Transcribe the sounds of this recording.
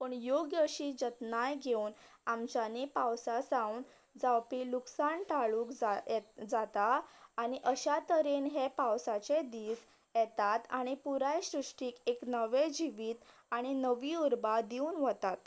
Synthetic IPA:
pəɳjoɡjəɕiːd͡ʑət̪najɡʱeuːn | amt͡ɕanipawsasaun | d͡zawpiːluksant̪aɭukd͡zd͡zat̪aːɽ̃iʔəɕat̪əɾiːnɦepawsat͡sed̪iːs | jɛt̪at̪aɽ̃ipuɾajɕɾuʂʈiːkeknəʋed͡ʑiʋiːt̪ | aɽ̃inəʋiːuɾbad̪iuːnʋət̪at̪

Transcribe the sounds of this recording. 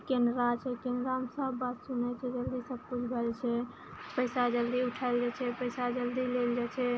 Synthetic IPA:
kend̪ɾat͡ʃʰɛkend̪ɾaɦəmsəbːat̪sunɛt͡ʃʰɛd͡ʒəld̪isəb̚kud͡ʒʰɡəlt͡ʃʰɛ | pəɪsad͡ʒəld̪iʊʈʰaɪld͡ʒat͡ʃʰɛpəɪsad͡ʒəld̪ileld͡ʒat͡ʃʰɛ

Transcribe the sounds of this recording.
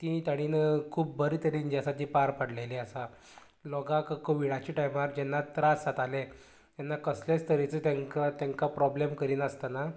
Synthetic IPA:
t̪ĩt̪aɽ̃inkʰuːp̚bəɾiːt̪əɾind͡ʑasat̪ĩpaɾpəɽ̤leliəsa | lɔɡakkoʋiɽat͡ɕiʈajmaɾd͡ʑɛnːat̪ɾasat̪ale | t̪jɛnːakəslast̪ʰəɾit͡sət̪aŋkat̪jãŋkapɾɔblemkəɾiːnəst̪ana

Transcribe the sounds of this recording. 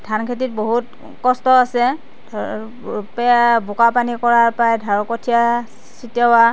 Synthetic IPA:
dʰʱankʰet̬it̚boɦut | kɔstɔasɛ | pjabʊkapanikɔɹaɹpajdʱaɹɔkɔtʰija | sitjawa

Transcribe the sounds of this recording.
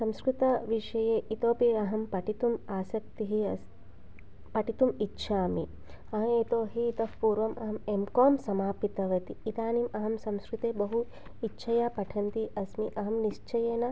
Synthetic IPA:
sɐmskɾut̪ɐʋiʂɐjeːʔit̪oːpiɐɦɐmpɐʈit̪umaːsɐk̚t̪iɦi | pɐʈit̪umitːʃʰaːmi | ɐɦɐ̃it̪oːɦiːt̪ɐfpuːɾʋɐmɐɦɐmemkoːmsɐmaːpit̪ɐʋɐt̪iːt̪aːnimɐɦɐmsɐmskɾut̪eːbɐɦu | itːʃʰɐjaːpɐʈʰɐnt̪iʔɐsmiʔɐɦɐmniʃt͡ʃɐjeːnɐ

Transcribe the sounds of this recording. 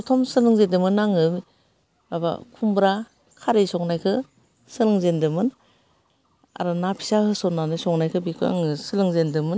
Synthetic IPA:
ɔtʰɔmsɯlɯŋzedɯmɯnaŋɯm | baba̰kʰumbɾa | kʰaɾesɔŋnajkʰɯ | sɯlɯŋzendɯmɯn | a̰ɾɯnapʰi̥sahɯsɔnanɯsɔŋnajkʰɯbikʰɯa̰ŋɯsɯlɯŋzendɯmɯn

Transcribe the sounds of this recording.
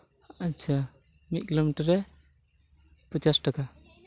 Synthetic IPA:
at͡ʃʰa | mit̪̚kilomiʈəɾːɛ | pət͡ʃasʈaka

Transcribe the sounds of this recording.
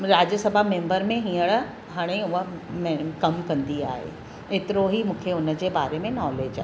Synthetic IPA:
ɾaːd͡ʑjəsɐbʱamẽːmbəɾmẽɦĩːəɽ | ɦaːɽ̃eʊɦəmekɐmkɐ̃nd̪ia̰ːɦḛ | eːt̪ɪɾoɦimũːkʰeʊnə̆d͡ʑeːbaːɾemẽnɔːleːd͡ʑa̰ː

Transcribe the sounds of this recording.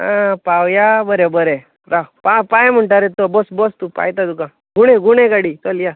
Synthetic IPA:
ãpawjabəɾebəɾe | ɾaɦpapajm̤əɳʈaɾet̪obɔsbɔst̪upa̰jt̪ad̪ukã | ɡʱuɽ̃eɡʱuɽekaɽit̪ɔlja

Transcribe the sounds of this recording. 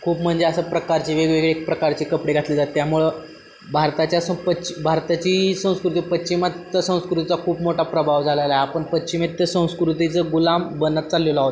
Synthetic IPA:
kʰuːpm̤əɳd͡zeəsəpɾəkaɾt͡ɕiːʋeɡʋeɡɭek̚pɾəkaɾt͡ɕiːkəpɽeɡʱat̪lid͡zat̪ːjamuɭə | bʱaɾt̪at͡ɕjasəpət͡ɕibʱaɾt̪at͡ɕiːsə̃w̃skɾut̪ipətt͡ɕimat̪ːəsə̃w̃skɾut̪it͡sakʰuːpmoʈapɾəbʱaʋd͡zʱalelaɦeapəɳpətt͡ɕimet̪t̪əsə̃w̃skɾut̪it͡səɡulambənːət̪̚t͡salːolaɦot̪

